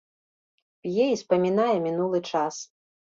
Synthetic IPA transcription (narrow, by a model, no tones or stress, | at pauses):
pʲjɛispɐmʲinajɛmʲinulˠɨt͡ʂas